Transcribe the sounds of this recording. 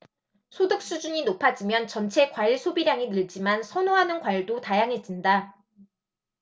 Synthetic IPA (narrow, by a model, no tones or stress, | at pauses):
sʰodɯk̚s͈ud͡ʑuɲinopʰad͡ʑimjʌnt͡ɕʌnt͡ɕʰe̞kwaiɭsʰobiɾjaŋinɯɭd͡ʑimansʰʌnoɦanɯnkwaɭdotajaŋɦe̞t̚d͡ʑ͈inda